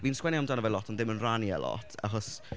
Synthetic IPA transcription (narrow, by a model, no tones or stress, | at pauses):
viːnskwɛniamdanəvɛlɔtʰɔndɪmənranjə̰lɔ̰tʰa̰χɔs